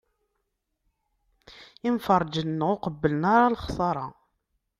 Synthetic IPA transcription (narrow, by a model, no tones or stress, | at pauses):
ɪmfərˤːd͡ʒənːəʁʊqəbːələnaɾˤɑlχsˤɑɾˤɑ